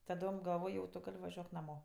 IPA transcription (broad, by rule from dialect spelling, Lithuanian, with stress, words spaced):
tɐˈdoːm ɡɐlˠˈʋoːj jɛʊ tʊ ˈɡɐlʲ ʋɐˈʒʲuɔk nɐˈmoː